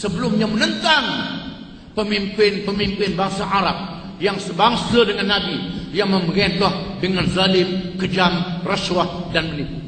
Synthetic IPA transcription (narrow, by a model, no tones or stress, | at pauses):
səbəlʊmɲamənənt̪aŋ | pəmimpɪnpəmimpɪnbaŋsaʔaɾap̚ | jaŋsəbaŋsadəŋanːabijaŋməmbəɾɛnlɔhdəŋanzalɪmkəd͡ʒamraswahdanmənipu